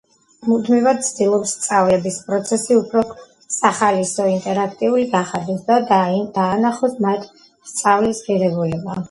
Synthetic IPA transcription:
mud̪mivad̪̚t̪sʰd̪ilˠɔpsːt̪sʼavlɛbispʼɾɔt̪sʰɛsiupʰɾɔ | saχalisɔint̪ʼɛɾakʰt̪ʼiuliɡaχad̪ɛsd̪ad̪d̪̥aːnaχɔsmat̪ʰ | st̪sʼavlisʁiɾɛbulɛba

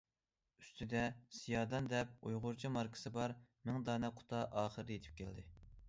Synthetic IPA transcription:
yst̪ʰɪd̪ɛsijɑːd̪ɑnd̪ɛp̚ujʁʊɾt͡ʃʰimɑɾkʰɨ̥sɨbɑɾmɪŋd̪ɑːnɛqʰʊ̥t̪ʰɑʔɑːχəɾd̪jet̪ʰɪ̥p̚kʲʰæld̪ɪ

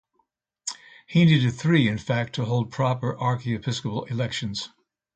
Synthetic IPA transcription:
hiniɾɨd̪̚θɹiɨ̃nfæk̚tʰəɦoʊlˠd̚pʰɹ̥ɑpə˞ʔɑɹkiɨpʰɪskəpl̩ˠɪlɛkʃɨ̃nz̥

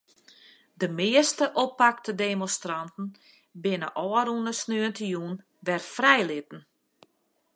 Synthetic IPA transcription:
dəmɪəstəʔopːak̚tədeːmɔnstrantn̩ | bɪnə̰ʔɔːɾunəsnøəntəjun | ʋɛrfrɛjlɪtn̩

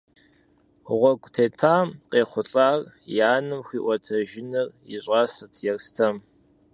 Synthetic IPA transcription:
ʁʷɔɡʷʼtʰeːtʰaːmqeːχʷʊɬʼaːrjaːnɨmxʷiːʔʷɔtʰɐʒɪnɨrjɪ̰ɕʼaːsɐtʰjɛrstʰɐm

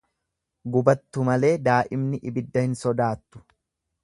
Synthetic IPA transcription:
ɡʊbɐt̪ːʊmɐle̞ːd̪aːʔɪmnɪʔɪbɪd̪ːɐhɪnsɔd̪aːt̪ːʊ̥

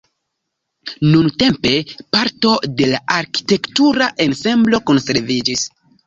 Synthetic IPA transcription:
nunte̞mpe̞paɾto̞de̞laʔaɾki̥te̞ktuɾaʔe̞nse̞mblo̞ko̞nse̞ɾvid͡ʒis

